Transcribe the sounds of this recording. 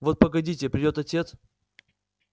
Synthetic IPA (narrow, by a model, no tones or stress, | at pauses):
vo̞t̪̚pəɡɐdʲitʲɪpɾʲɪdʲo̞t̪ɐtʲe̞t̪s